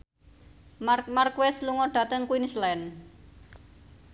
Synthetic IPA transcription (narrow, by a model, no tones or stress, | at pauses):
mamarkwɛsluŋɔɖ̥ä̤t̪əŋkuinislɛn